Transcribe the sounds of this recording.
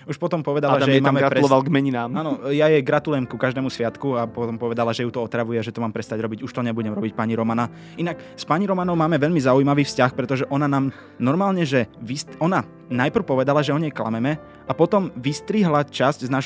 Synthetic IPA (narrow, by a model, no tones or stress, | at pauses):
uʃpɔt̪ɔmpɔʋɛd̪alaʒʒɛɛmaːmɛɡɾatpɾɛulɔʋalɡmɛɲinaːmaːnɔjajɛɡɾat̪ulujɛmkukaʒd̪ɛːmusʋɪat̪kuapɔt̪ɔmpɔʋɛd̪alaʒɛjut̪ɔɔt̪ɾaʋujɛaʒɛt̪ɔmaːmpɾɛst̪aɟɾɔbiɟuʃt̪ɔɲɛbuɟɛmɾɔbic̚paːɲiɾɔmana | inak | spaɲiɾɔmanɔʊmaːmɛʋɛʎmizaujimaʋiːfscaxpɾɛt̪ɔʒɛʔɔnanaːm | nɔɾmaːlɲɛʒɛʋisɔna | najpr̩ʊpɔʋɛd̪alaʒɛɔɲɛjkla̰mɛmɛ | apɔt̪ɔmʋist̪ɾiɦlat͡ʃascznaːʃ